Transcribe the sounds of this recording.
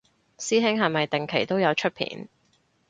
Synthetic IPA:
siː˥ɦɪ˥ŋɦɐ˨˩mɐ˨jt̪ɪ˨ŋkʰe˨˩jt̪o˥wjɐ˨˧wt͡ʃʰɵ˥t̚pʰḭː˨˦n

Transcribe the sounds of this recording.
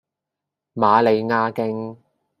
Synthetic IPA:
maː˨˧le˨˧jŋaː˧˥kɪ˥ŋ

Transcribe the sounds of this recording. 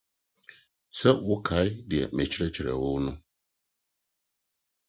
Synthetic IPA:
sɛ˦wʊ˦kʰa˨˦ɪ˦dɪ˨ɛ̰˨mɛ˨t͡ɕʰɪ˦ɾɛ˦t͡ɕʰɪ˨ɾɛ̰˨wo˦nʊ̃˦

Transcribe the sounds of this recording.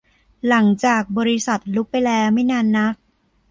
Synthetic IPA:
la˩˦ŋt͡ɕaː˨˩k̚bɔː˧ɾi˧˥sa˨˩t̪̚lu˦˥k̚pːa˧jlɛː˦˥wma˥˩jnaː˧nːa˦˥k̚

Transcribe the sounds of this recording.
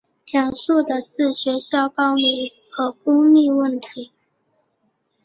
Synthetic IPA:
t͡ɕjɑ˨˩ŋʂu˥˩d̪ə˨ʂɻ̩˥˩ɕɥɛ˧˥ɕjɑ˥˩ʊpɑ˥ʊmi˧˥ŋxɤ˧˥kʊ˥ŋli˥˧wə˥˩nt̪ʰi˧˥˦

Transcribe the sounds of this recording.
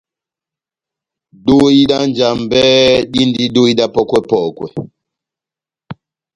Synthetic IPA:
do˦i˦ɗa˦nd͡ʒa˨mbɛ˦ɗi˦ndi˦ɗo˦i˦ɗa˦pɔ˦kwɛ˦pɔ˨kwɛ̰˨

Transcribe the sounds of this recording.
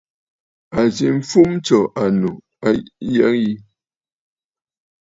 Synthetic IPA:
a˨zi˨m̩˦fu˦m˦t͡ʃɔ˨ʔa˨nu˨ | a˦jɛ˦ŋji˦

